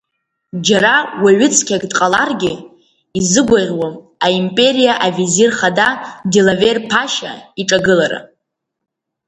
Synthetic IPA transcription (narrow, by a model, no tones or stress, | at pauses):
d͡ʒaɾawaɥɪt͡sʼʰkʲʰaɡʼdʼqʼalarɡʲɪ | izɨɡʷaʁʲwam | aimpʼe̞ɾijaʔavizirχadadilaverpʰaʃa̰iʈ͡ʂʼaɡɨlaɾa̰